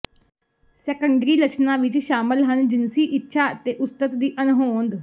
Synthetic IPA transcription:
sɛkəɳɖɾiːlət͡ʃʰnãːʋɪt͡ʃʃaːməlɦənd͡ʒɪnsiːʔɪtːʃʰaːt̪eːʔʊst̪ət̪d̪iːʔənɦoːnd̪

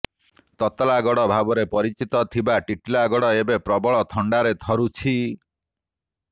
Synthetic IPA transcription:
t̪ɔt̪laɡɔɽɔbʱabɔɾepɔɾit͡ʃit̪ɔt̪ʰibaʈiʈlaɡɔɽɔebepɾɔbɔɭɔt̪ʰɔɳɖaɾet̪ʰɔɾut͡ʃʰi

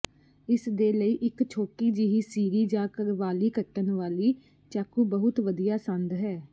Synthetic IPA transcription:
ɪsd̪eːləiːʔɪkt͡ʃʰoːʈiːd͡ʒiɦiːsiːɾiːd͡ʒaːkəɾʋaːliːkəʈːənʋaːliː | t͡ʃaːkuːbəɦʊt̪ʋəd̪ijaːsə̃nd̪ɦɛː

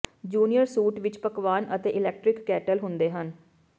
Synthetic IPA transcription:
d͡ʒuːnijəɾsuːʈʋɪt͡ʃpəkʋaːnət̪eːʔɪlɛːk̚ʈɾɪkːɛːʈəlɦʊ̃nd̪eːɦən

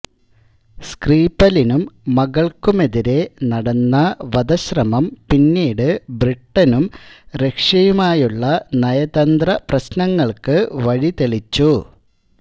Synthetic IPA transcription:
skriːpɐlinumːɐɣɐɭkume̞ðiɾe̞nɐɽɐnːɐʋɐd̪ɐɕrɐmɐmpinːiːɽɨbriʈːɐnumɾe̞kʂɐjumaːjuɭːɐnɐjɐd̪ɐnd̪rɐprɐɕnɐŋːɐɭkɨʋɐɻit̪eɭit͡ɕːu

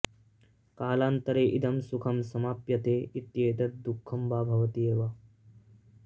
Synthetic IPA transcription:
kaːlaːnt̪ɐɾeːʔid̪ʱɐmsukʰɐmsɐmaːpjɐt̪eːit̪jeːd̪ɐt̪̚d̪ukʰːɐmbaːbʱɐʋɐt̪ijeːʋa

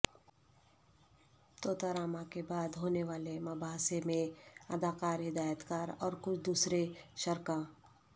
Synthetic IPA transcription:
t̪oːt̪aɾaːmãkebaːd̪ɦoːneʋaːlemɐbʱaːsemẽɐd̪aːkaːɾɦɪd̪aːjət̪kaːɾɔːɾkʊt͡ʃʰd̪uːsɾeʃɐɾkaː

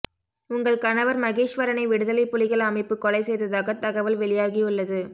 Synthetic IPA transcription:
ʊŋɡɐɭkɐnɐʋɐɾmɐɣeːʂʋɐɾɐnɐɪʋɪɽɯðɐlɐɪpːʊlɪɣɐɭɐmɐɪpːɯkːɔlɐɪsɛjðɐðaːɣɐt̪ːɐɣɐʋɐlʋɛɭɪjaːɣiʊɭːɐðɯ

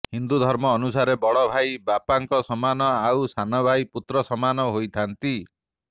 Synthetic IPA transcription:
hind̪ud̪ʱɔɾmɔːnusaɾebɔɽɔbʱajbapaŋkɔsɔmanɔawsanɔbʱajput̪ɾɔsɔmanɔɦojt̪ʰant̪i

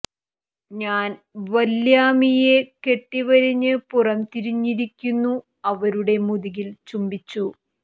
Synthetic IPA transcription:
ɲaːnʋɐljaːmije̞ke̞ʈːiʋɐɾiɲːɨpurɐmt̪iɾiɲːiɾikʲːunːu | ɐʋɐɾuɽe̞muðiɣilt͡ɕumbit͡ɕːu

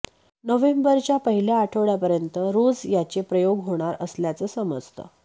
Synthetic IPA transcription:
nəʋembəɾt͡ɕjapəɦiljaaʈʰəʋɭjapəɾjənt̪əɾod͡zjat͡ɕepɾəjoɡɦoɽ̃aɾəsljat͡səsəməd͡zt̪ʰə̰

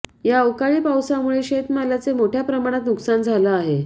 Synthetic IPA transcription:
jawkaɭiːpawsamuɭeɕet̪malat͡semoʈʰjapɾəmaɽ̃at̪nuksand͡zʱalaːɦe

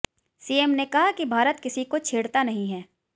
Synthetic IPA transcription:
siːeːmnekɐɦakibʱaːɾət̪kɪsikot͡ʃʰeːɽt̪anɐɦĩɦɛː

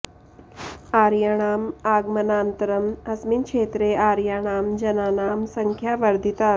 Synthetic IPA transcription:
aːɾjaɽ̃aːmaːɡmɐnaːnt̪ɐɾɐmɐsminkʂeːt̪ɾeːaːɾjaːɽ̃aːmd͡ʒɐnaːnaːmsɐŋkʰjaːʋɐɾd̪ʱit̪a

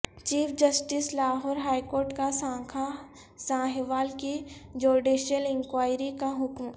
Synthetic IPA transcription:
t͡ʃiːfʰd͡ʒɐsʈɪslaːɦɔːɾɦaːikoːɾʈkasãkʰa | sãːɦʋaːlkid͡ʒoːɾɖiʃəlɪ̃ŋkʋaːɪɾikaɦʊkm

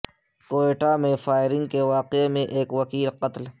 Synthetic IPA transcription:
koːeːʈamẽfaːɪɾɪ̃ŋɡ̚keʋaːqemẽʔeːkwɐkiːlqɐt̪l

